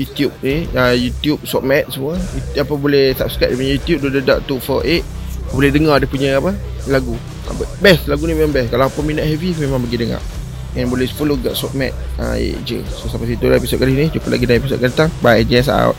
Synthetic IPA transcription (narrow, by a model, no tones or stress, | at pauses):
jut̪ijup̚niajut̪jup̚sɔʔ̚mɛt̪̚səmuəuapəbolɛhsap̚skɾaʔ̚dipuɲəjut̪jup̚dodəda̰ʔt̪ufɔʔeʔ̚apəbolɛhdəŋadəpuɲəapə | laɡu | a̰pəbɛslaɡunibemabɛskalaapəminəʔhɛvimemãŋbəɡidəŋa̰ | ɛnbolɛhsə̥puluɡaʔsɔʔ̚mɛ̰t̪̚ə̰ḛʔd͡ʒə̰sosapas̬it̪ulaepisɔt̪̚kaliɦnid͡ʒupəlʔa̰ɡidaepisɔ̰t̪̚kandat̪aŋbaad͡ʒɛns̬aa̰t̪̚